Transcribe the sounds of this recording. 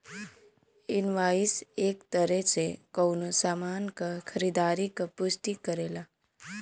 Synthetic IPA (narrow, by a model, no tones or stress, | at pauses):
ɪnʋaːiseːkt̪əɾɛsekəwnosaːmaːnkakʰəɾid̪aːɾikapʊst̪ikəɾeːla